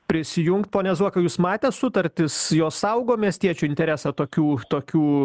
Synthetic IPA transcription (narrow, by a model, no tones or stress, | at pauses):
pʲɾʲɪsʲɪjʊŋkt̪̚poːnʲɛzuɔkɐjuːsmɑːt̪ʲɛtsʊt̪ɐɾʲt̪ʲɪsjoːssɐʊɡoːmʲiɛsʲt̪ʲiɛt͡ʃʲuɪnʲt̪ʲɛɾʲæsɑt̪oːkʲuːt̪oːkʲuː